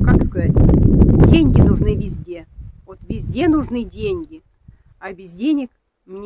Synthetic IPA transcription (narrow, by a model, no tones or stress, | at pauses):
kakskɐzatʲdʲenʲɡʲɪnʊʐnɨvʲɪzʲdʲe̞vot̪vʲɪzʲdʲe̞nʊʐnɨdʲenʲɡʲɪ | abʲɪzʲdʲenʲɪk | mnʲ